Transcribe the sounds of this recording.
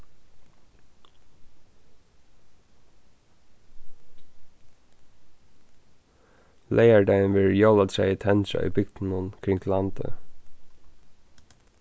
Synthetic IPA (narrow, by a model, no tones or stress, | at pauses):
lʔeɪæɖæɪnʋɪɹjɔlɑd̪sæɪiːt̪ʰɛnʃɑ̰ʔḭːbʏkt̪n̩ʊnkʰɾɪŋt̪ʰlɑnd̪ə̰